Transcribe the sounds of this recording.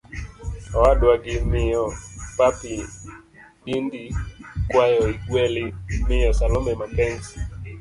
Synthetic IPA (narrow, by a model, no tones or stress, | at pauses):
ɔadwaɡɪmɪjɔpapɪ | indikwajɔiɡwɛlɪmɪjɔsalɔmɛmapɛnsi̥